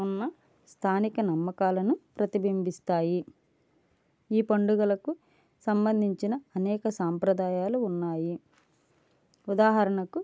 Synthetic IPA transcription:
unːɐ | st̪ʰaːnikɐnɐmːɐkaːlɐnupɾɐt̪ibimbist̪aːji | iːpɐɳɖuɡɐlɐku | sɐmbɐnd̪ʱiɲt͡ʃinɐːnɛːkɐsaːmpɾɐd̪aːjaːluːnːaːji | ud̪aːɦɐɾɐɳɐku

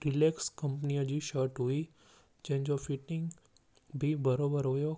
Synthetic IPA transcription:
ɾɪleːkskɐ̃mp̬nijəd͡ʑiʃəɾʈɦui | d͡ʒɐ̃ɦɪ̃ɲd͡ʒofɪʈɪ̃ŋɡ | bʱibɐɾoːbəɾɦojo

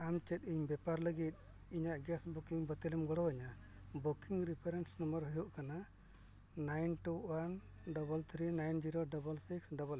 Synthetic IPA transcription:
amt͡ʃɛt̪̚ˀiɲbɛpaɾləɡit̪̚ | iɲaʔɡɛsbukiŋbət̪ilɛmɡɔɽɔwəɲa | bukiŋɾipʰeɾɛnsnəmbəɾɦujuʔkana | najnʈuwan | ɖɔbəlt̪ʰɾinajnd͡ʒiɾoɖɔbəlsiksɖɔbəl

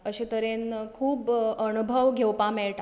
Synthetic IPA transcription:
əɕit̪əɾenkʰuːbənubʱəʋɡʱewpameɭʈa

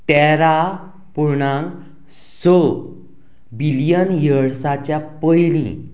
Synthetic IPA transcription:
ʈɛɾa | puɾɳãŋk | sɔ | bilijənjəɭsat͡ɕjapəjlḭ̃

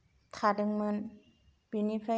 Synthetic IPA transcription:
t̪ʰaːdɯŋmɯn | binipʰɾa

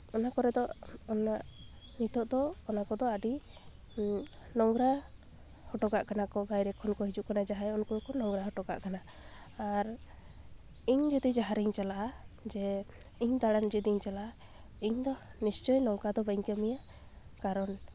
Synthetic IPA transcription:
ɔnakɔɾɛd̪ɔʔɔnaʔ | nit̪ɔʔd̪ɔːnakɔd̪ɔaɖi | nɔŋɡɾa | hɔʈɔɡaʔkanakɔbajɾɛkʰɔnkɔɦid͡ʒuʔkanad͡ʒaɦajɔnkukɔnɔŋɡɾaɦɔʈɔɡa̰ʔkanaː | ɾ | iɲd͡ʒɔd̪id͡ʒaɦaɾiɲt͡ʃalaʔad͡ʒɛ | iɲd̪aɽand͡ʒid̪iɲt͡ʃalaʔa | iɲd̪ɔnist͡ʃɔjnɔŋkad̪ɔbəjɲkɛmija | kaɾɔn

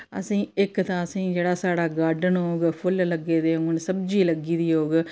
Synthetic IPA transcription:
ə̰sĩːɪkt̪ãːəsĩːd͡ʒeːɽaːsaːɽaːɡaːɾɖənɦoːɡpʰʊlləɡeːd̪eːɦoŋʊnsəbd͡ʒiːləɡiːd̪iːɦoːɡ

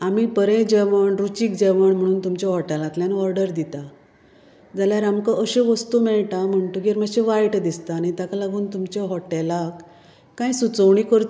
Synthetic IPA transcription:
amipəɾɛ̃d͡ʑɛʋəɳɾut͡ɕiːkd͡ʑɛʋəɳm̤əɽ̃uːnt̪umt͡ɕeɦɔʈɛlãt̪ljanɔɾɖəɾd̪it̪a | d͡zaljaɾamkaʔəɕeʋəst̪umɛɭʈam̤əɳt̪ũɡeɾmaɕẽʋajʈd̪ist̪anit̪akalaɡuːnt̪umt͡ɕeɦɔʈɛlakː | ãjsut͡səʋɳikəɾt̪

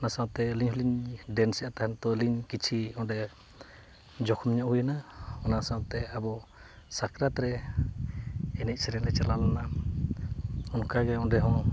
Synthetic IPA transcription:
nasãwt̪ɛliɲhuliɲɖɛnsɛʔat̪aɦant̪ɔliɲkit͡ʃʰiɔɖɛ | d͡ʒɔkʰɔmɲɔʔhujanaɔnasawt̪ɛabɔ | sakɾat̪ɾɛ | ɛnic̪̚sɛɾɛŋɾɛt͡ʃaɾlalana | ɔnkaɡɛɔ̃ɖɛɦɔ̃

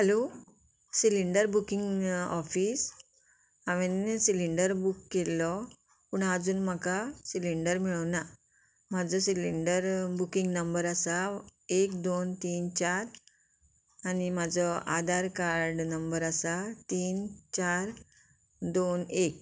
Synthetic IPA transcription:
həlo | siliɳɖəɾbukiŋɡɔfiːs | aʋensiliɳɖəɾbukːelːɔ | puːɳad͡zuːnm̤akasiliɳɖəɾmiɭəna | m̤ad͡zɔsiliɳɖəɾbukĩŋɡnəmbəɾasaekd̪ont̪iːnt͡ɕaɾ | anim̤ad͡zɔa̰d̪ʱaɾkaɾɖnəmbəɾasat̪iːnt͡ɕaɾ | d̪onek̚

